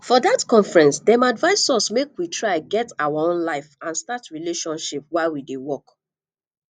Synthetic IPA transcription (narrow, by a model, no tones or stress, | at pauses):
fɔðatkɔ̃ɱfɹɛ̃nsdɛmadvaɪsɔsmekwitʰɹaɪɡɛtawaõnlaɪfãnstatɹileʃɔ̃nʃip̚waɪwidewɔk